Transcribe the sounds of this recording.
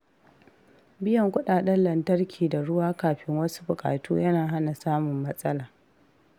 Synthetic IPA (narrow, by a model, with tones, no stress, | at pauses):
bɪ˦jɐ˨ŋkʷʊ˦ɗaː˨ɗɐ˦nlɐ˨ntɐ˦rkʲʰiː˨da˨ɽʊ˦waː˦kaː˨ɸɪ˦ŋwɐ˦su̥˦bʊ˨kʼa̰ː˨tṵː˦jɐ˦naː˨ɦa˦na˨saː˦mʊ˨mːɐ˦sʼɐ˦laː˨